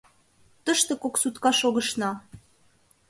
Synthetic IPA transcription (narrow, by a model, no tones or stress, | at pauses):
t̪əʃt̪ĕkoksut̪kɑʃoɣə̆ʃnɑ